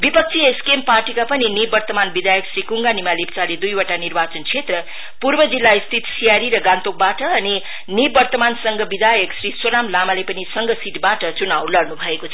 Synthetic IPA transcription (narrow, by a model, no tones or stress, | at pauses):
bipʌk̚t͡sʰieskemparʈikapʌninibbʌrt̪ʌmanbid̪ajʌksrikuŋɡanimalipt͡saled̪ujoʈanirbat͡sʌnt͡sʰet̪rʌ | purbʌd͡zilːaist̪ʰit̪sijaɾiɾʌɡant̪ok̚baʈʌːni | nibbʌrt̪ʌmansʌŋɡʌbid̪ajʌksriswonamlamalepʌnisʌŋɡʌsiʈbaʈʌt͡sunawlʌɽnubʱʌekot͡sʰʌ